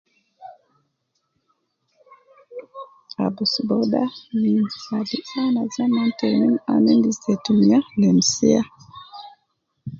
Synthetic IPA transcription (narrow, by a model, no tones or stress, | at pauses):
a̰busbodaninadiʔanazamantenina̰nindisɛtumialɛmsia